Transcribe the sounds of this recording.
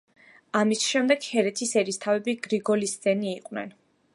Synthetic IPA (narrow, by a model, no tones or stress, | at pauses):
amisʃɛmd̪ɛɡ̥hɛɾɛt̪ʰisɛɾist̪ʰavɛbiɡɾiɡɔlist̪zɛniːqʼwnɛ̰n